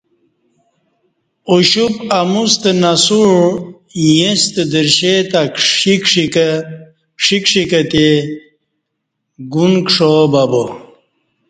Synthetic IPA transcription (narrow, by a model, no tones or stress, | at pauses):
uɕupamust̪enasuɻ | jẽst̪ed̪iɾɕet̪aikʂi | kʂikʂikɐt̪e | ɡunkʂobɐbo